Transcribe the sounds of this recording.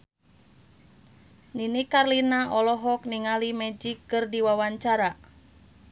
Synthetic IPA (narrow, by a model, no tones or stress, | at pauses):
ninikarlinaʔɔlɔɦɔkniŋalimɛd͡ʒikːɨrdiwawaɲt͡ʃaɾa